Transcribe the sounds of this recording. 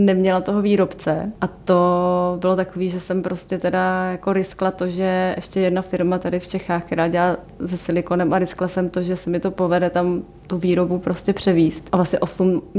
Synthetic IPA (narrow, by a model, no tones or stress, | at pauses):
nɛmɲɛlat̪oɦo̞viːɾo̞pt͡sɛʔat̪o̞bɪlo̞t̪ako̞viːʒɛsɛmpɾo̞scɛt̪ɛdajako̞ɾɪsklat̪oʒɛɛʃcɛjɛdnafɪɾmat̪adɪft͡ʃɛxaːxkt̪ɛɾaːɟɛlaː | zɛsɪlɪko̞nɛmʔaɾɪsklasɛmt̪o̞ʒɛsɛmɪt̪o̞povɛdɛt̪am | t̪uviːɾo̞bupɾo̞scɛpr̝̥ɛviːst̪ʔavlasɲɛʔo̞sum